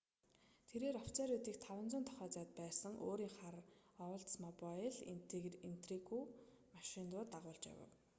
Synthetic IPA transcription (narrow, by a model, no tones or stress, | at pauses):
t̪ʰeɾeːɾɔwt͡sʰaɾut̪iːkt̪ʰawə̆nt͡sʊːnt̪ʰɔ̥χœːt͡saːt̪̚pæːsə̆ŋʔo̰ːɾiːŋχar | ɔwɬt̪smɔpɔjɮin̥t̪rikʰu | maʃɪnt̪ʊːt̪aʁʊːɮt͡ɕja̰wə̰̆w